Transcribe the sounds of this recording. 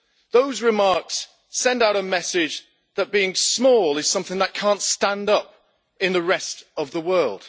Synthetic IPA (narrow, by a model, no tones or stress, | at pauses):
ðoʊzɹɪmɑɹks | ɛ̃ndaʊɾəmɛsɪd͡ʒ | ðət̚b̥iɪ̃ŋsmɔːlˠɨz̥sʌ̃mθɪ̃ŋðət̚kʰɑ̃ˑntstæ̃ndʌp̚ | ɪ̃nðəɹɛstʌvðəwɜ˞lˠd̥